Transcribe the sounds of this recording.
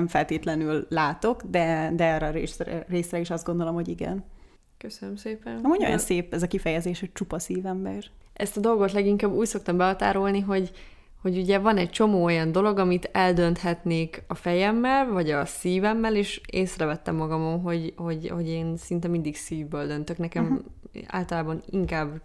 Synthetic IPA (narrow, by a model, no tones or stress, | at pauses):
ɛmfɛlt̪eːt̪lɛnylːaːt̪o̞kd̪ɛd̪ɛɛːrɛɾeːsrɛ̰reːsɾɛiʃɒzd̪ɡo̞nd̪o̞lo̞mho̞ɟiɡɛ̰n | køsønømseːpɛnɒmuɲojɒ̰nseːpɛzɒkifɛjɛzeːʃhoc̚t͡ʃupɒsiːvɛmbɛ̰r | ʔɛst̪ɒd̪o̞lɡo̞t̪lɛɡiŋkaːbːuːcso̞kt̪ɒmbɛɦɒt̪a̰ːɾo̞lniɦo̞ɟ | ho̞ɟuɟɛvɒnɛct͡ʃo̞moːojɒnd̪o̞lo̞ɡɒmit̪ɛld̪ø̞nt̪hɛt̪neːkɒfɛjɛmːɛlvɒɟɒsiːvɛmːɛleːʃeːsrɛvɛt̪ːɛmːɒɡɒmo̞mɦo̞ɟho̞ɟho̞ɟeːnsint̪ɛmind̪iɡsiːvbøːld̪ø̞nt̪ø̞knɛkɛma̰ːlt̪ɒlaːbɒniŋkaːb